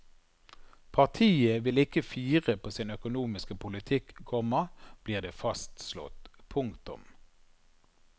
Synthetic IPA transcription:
pʰɑʁt̪ʰiːəʋɪlɪkəfiːʁəpʰoːsɪnœkʊnuːmɪskəpʰʊlɪt̪ʰɪkkʰɔməb̥liːʁd̪eːfɑst̪slɔ̰t̪pʰʊŋkt̪ʊ̰m

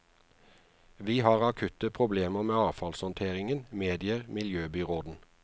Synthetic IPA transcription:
ʋiːhɑːʁɑkʰʉt̪əpʰʁʊbleːməʁmeːɑːfɑlshɔnt̪ʰeːʁɪŋənmeːd̪ɪəʁmɪljøːbʏʁoːd̪n̩

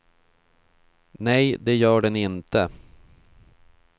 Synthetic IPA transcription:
nɛjd̪ɛjœːɖɛnɪnt̪ə

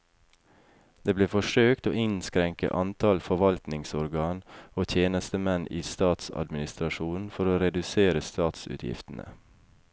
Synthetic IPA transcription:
d̪̥eːbleːfɔʃøːkt̪o̰ːʔɪnskɾɛŋkə̰ʔɑnt̪ʰɑlfɔʋɑlt̪nɪŋsɔɾɡɑːnoːt̪ʰjeːnəst̪əmɛniːst̪ɑːt̪sɑ̰d̪mɪnɪst̪ɾɑʃuːnn̩fɔɾoːɾɛd̪ʉseːɾəst̪ɑːt̪sʉ̰ːt̪ʰjɪ̰ft̪n̩ʔə̰

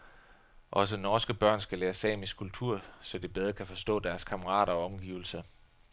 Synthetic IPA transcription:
ʔɒ̽s̬ənɒːsɡ̥əb̥ɶɐ̰nsɡ̥æleːɐsɛ̰ːmiskʰult͡sʰuɐ̰sɒ̽d̥eb̥eð̞ˠʁɐkʰæfɒ̽sd̥ɔ̰̽ːd̥æɐskʰɑ̈məʁɑ̰̈ːɾ̥ɐɒ̽ɒ̽mɡ̥ḭːʊl̩sɐ

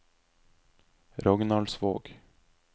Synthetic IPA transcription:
ɾɔɡnɑlsʋo̰ːɡ̥

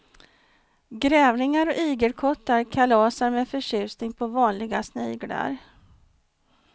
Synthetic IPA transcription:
ɡɾɛːvnɪŋaɾɔʔiːɡəlkʰɔt̪ːaɾkʰalɑːsaɾmeːfœʂʏːsnɪŋpʰɔvɑːnlɪɡasniːɡla̰ɾ

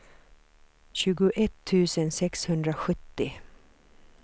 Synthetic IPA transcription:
ɕʉ̟ːɡʊʔɛt̪ʰːʉ̟ːsənsɛkshɵnd̪ɾaɧɵt̪ːɪ

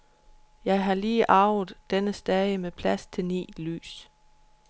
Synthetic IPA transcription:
jɑ̈ɪɦɑ̈liːʔɑ̈ʊð̩ˠd̥enəsd̥ɛðəmepʰlæst͡sʰe̝lnḭːly̰ːs

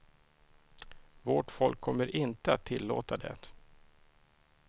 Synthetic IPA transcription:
voʈfɔlkʰːɔmːəɾʔɪnt̪əat̪ʰːɪlːo̰ːt̪ad̪ɛ̰t̪

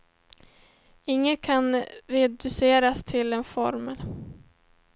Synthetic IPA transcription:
ɪŋːət̪kʰanɾɛd̪ɵseːɾast̪ʰɪlɛnfɔ̰ɾməl

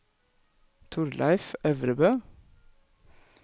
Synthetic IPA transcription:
t̪ʰʊɾlʔæ̰ɪfœʋɾəbøː

